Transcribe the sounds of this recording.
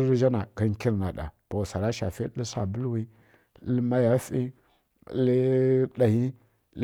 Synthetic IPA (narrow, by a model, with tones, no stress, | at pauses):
ɾʒa˦na˨ɡa˦ŋ˦ki˦ɾna˨ɗa̰˨b̥o˨sa˨ɾa˦ʃa̰˨fi˦lə˦sa̰˨bu˦lwi˦ | lma˦ja˦fi˦ | li˦ɗa˨ji˦ | l